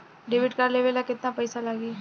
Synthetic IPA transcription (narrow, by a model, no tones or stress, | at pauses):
ɖeʋɪʈkaɾleʋelakɪt̪napəjsalaɡiː